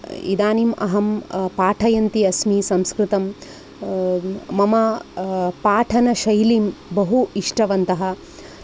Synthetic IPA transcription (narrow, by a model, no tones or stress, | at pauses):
ḭd̪aːnimɐ̰ɦɐmpaːʈʰɐjɐnt̪iɐsmisɐ̃mskɾɪt̪ɐm | mɐmɐ | paːʈʰɐnɐʃɐjliːmbɐɦuiʂʈɐʋɐnt̪ɐɦɐ̆